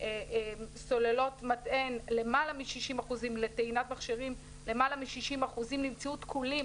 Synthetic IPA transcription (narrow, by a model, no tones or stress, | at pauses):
eso̞lelo̞tmatʔe̞nle̞malamiʃiʃimaχuzimle̞teinatmaχʃiʁim | le̞malamiʃiʃimaχuzimlimt͡sautkʰulim